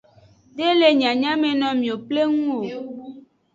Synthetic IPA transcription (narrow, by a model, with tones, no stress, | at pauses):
ɖe˦le˨ɲ˨ã˨ɲã˦mẽ˨nɔ̃˨mĩ˨o˨ple˦ŋũ˦o˨